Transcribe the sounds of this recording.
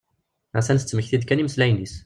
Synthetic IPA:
ʁæsænθə̥t͡sːməçθid̪kæniməslæjnis

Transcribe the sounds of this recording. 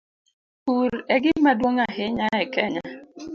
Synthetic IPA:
huɾɛɡɪmadwoŋaɦɪɲaɛkɛɲa

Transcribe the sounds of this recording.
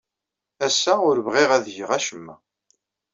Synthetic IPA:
æsːæʊɾvʁiʁæðʝəʁæʃəmːæ̰

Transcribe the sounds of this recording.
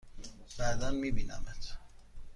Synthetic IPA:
b̥æd̪ænmiːbiːnæ̰met̪ʰ

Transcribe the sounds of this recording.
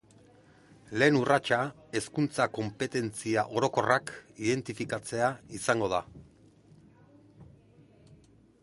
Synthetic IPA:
le̞ːnurat͡ʃa | e̞skunt͡sako̞mpe̞t̪e̞nt͡siaʔo̞ɾo̞ko̞rakiðe̞nt̪ifikat͡se̞aisaŋɡo̞ð̞a

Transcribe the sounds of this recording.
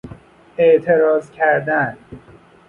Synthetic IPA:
eʔt̪ʰeɾɒːzcʲʰæɾd̪æn

